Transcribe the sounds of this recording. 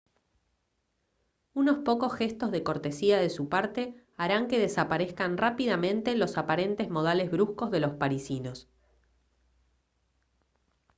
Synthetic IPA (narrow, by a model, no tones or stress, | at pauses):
uno̞spo̞ko̞sxe̞st̪ozð̞eko̞ɾt̪esiað̞e̞supaɾt̪e̞ | aɾaŋke̞ðesapaɾe̞skanrapið̞amẽ̞nt̪e̞lo̞sapaɾe̞nt̪ezmo̞ð̞ale̞zβɾusko̞zðe̞lo̞spaɾisino̞s